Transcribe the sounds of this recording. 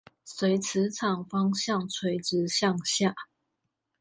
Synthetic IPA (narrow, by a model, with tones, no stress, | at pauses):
swe˧˥ɪt͡sʰɹ̩˧˥t͡sʰɑ˨˩ŋfɑ˦ŋɕjɑ˥˨ŋt͡sʰwe˧˥ɪʈ͡ʂɻ̩˧˥ɕjɑ˥˨ŋɕja˥˨